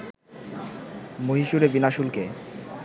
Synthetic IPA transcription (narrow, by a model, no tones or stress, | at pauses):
moɦiʃuɾebinaʃulke